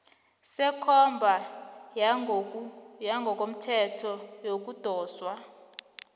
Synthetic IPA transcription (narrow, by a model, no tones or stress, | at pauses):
sɛkʰɔmbʱa | jaŋɡʱɔk̬ʼom̩tʰɛtʰɔjok̬ud̥ʱɔːswa